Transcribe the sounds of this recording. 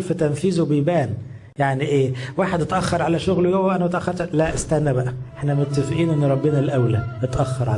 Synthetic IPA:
fæt̪æmfiːzobejbæːn | jaʕniʔeːwaːħed̪et̪ʔɑxːɑɾˤʕalæʃoɣlwjowːæʔænæmæt̪ʔæxːɑɾˤt̪læʔest̪æhnːæbæʔæeħnæmot̪ːæfʔiːnʔenːɾˤɑbːenælʔæwlæet̪ʔɑxːɑɾˤʕa

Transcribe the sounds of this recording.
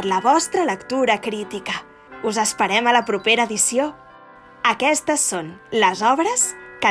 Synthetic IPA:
ləβɔst̪ɾələkt̪uɾəkɾit̪ikə | uzəspəɾɛmələpɾupeɾəːðisio | əkɛst̪əsːonləzɔβɾəskə

